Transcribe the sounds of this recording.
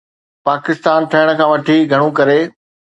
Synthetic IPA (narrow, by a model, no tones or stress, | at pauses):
paːkɪst̪aːnʈ̪ʰɐɦɪɽ̃ə̆kʰãːʋɐʈʰiɡʱɐɽ̃ũkɐɾe